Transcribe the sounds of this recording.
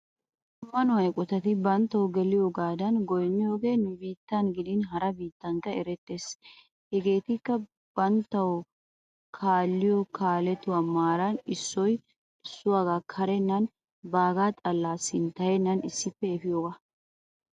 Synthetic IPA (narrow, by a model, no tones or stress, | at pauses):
mːɐnʊɐjkʼɔt̪ɐt̪ɪbɐnt̪ːɐwʊɡɛlɪjoːɡaːd̪ɐnɡɔjnːɪjoːɡe̞ːnʊbiːt̪ːɐnɡɪd̪ɪnɦɐɾɐbiːt̪ːɐŋkːɐɛɾɛt̪ːe̞ːs | hɛɡe̞ːt̪ɪkːɐ | b̥ɐnt̪ːɐwʊ | kʰaːlːɪjɔkʰaːlɛt̪ʊwamaːɾɐnɪsːɔj | ɪsːʊwaːɡaːkʰɐɾɛnːɐn | baːɡaːt̪ʼɐlːaːsɪnt̪ɐjɛnːɐnɪsːɪpːɛɛfɪjoːɡa